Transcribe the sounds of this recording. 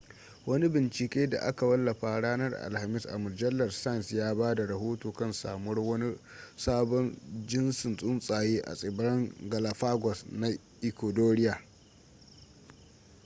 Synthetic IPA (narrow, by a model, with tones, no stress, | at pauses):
wɐ˦ni˦bɪ˨nt͡ʃɪ˨kʲeː˦da̰˨ʔa˦ka˨wɐ˦lːɐ˨ɸa˨ɽaː˦nɐ˦rʔa̰˨lha˨mɪ˦sʔa̰˨mʊ˨rd͡ʒɐ˦lːɐ˨rsa˦˨nsjaː˦baː˦da˨ɾɐ˨ɦoː˦toː˨kɐ˦nsa̰ː˨mɔ˦rwɐ˦ni˦ | saː˦bɔ˦nd͡ʒɪ˦nsɪ˨nsʼʊ˦nsʼaː˨jeː˦ʔa̰˨sʼɪ˨bɾɐ˦ŋɡɐ˨la˨ɸaː˦ɡʷɔ˨sna˨ | ʔɪ˨kʷo˨doː˦ɽɪ˦jaː˨